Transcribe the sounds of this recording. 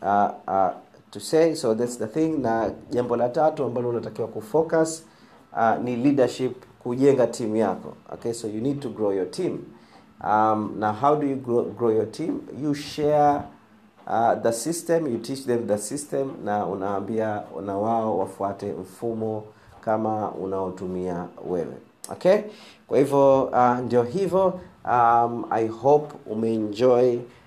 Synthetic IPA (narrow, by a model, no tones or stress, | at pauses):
a | tuseɪsoðɛtsðəθĩŋnaʄambɔlatatuambalɔunatakiwakufɔkas | anilidaʃipkuʄɛŋɡatʰimujakɔ̰ɔ̰kesojunid̚tuɡɹojɔtʰĩm | amnaɦawdujuɡoɡɹojɔtʰĩmjuʃɛ | aðəsistɛ̃mjutʰit͡ʃðɛmðəsistɛ̃mnaṵnawambianawaɔwafuatɛm̩fumɔ | kamaṵnaɔtumiawɛ̰wɛ̰ | ɔ̰kʰekwahivjɔandiɔɦivɔama̰jhopṵmɛɛnd͡ʒɔj